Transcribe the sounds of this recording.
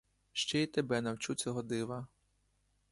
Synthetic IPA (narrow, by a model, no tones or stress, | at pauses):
ʃt͡ʃɛit̪ebɛnɐwt͡ʃut͡sʲɔɦɔd̪ɪʋɐ